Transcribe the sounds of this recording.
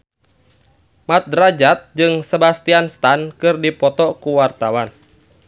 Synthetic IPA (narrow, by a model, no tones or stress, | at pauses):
mat̪̚dɾad͡ʒat̪̚d͡ʒɨŋsebast̪ianst̪ankɨrdipɔt̪ɔkuwart̪awan